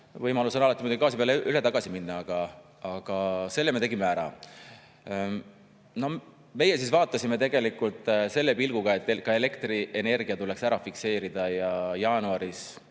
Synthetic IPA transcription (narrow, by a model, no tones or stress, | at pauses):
vɤjmɑlusɑnɑlɑt̪ːimud̪ɡikɑːs̬ipeɑleʔyle̞t̪ɑɡ̥ɑsiminːɑɑɡ̥ɑ | ɑɡ̥ɑse̞lːemeeɡimeæɾɑ̰ | no̞ | me̞jesisvɑːt̪ːˑɑsʲime̞t̪e̞ɡ̥e̞likːˑult̪ˑse̞lːe̞pilɡ̥uɡ̥ɑe̞t̪ːˑekɑe̞le̞kt̪riʔe̞ne̞rɡ̥iɑt̪ule̞ksæɾɑfikse̞ːɾid̪̥ɑjɑjɑːnuɑɾis